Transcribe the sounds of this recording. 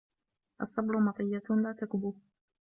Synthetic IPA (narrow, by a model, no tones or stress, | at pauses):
ʔɑsˤːɑbɾʊmɑt̪ˤɨjːalaːt̪akbuːh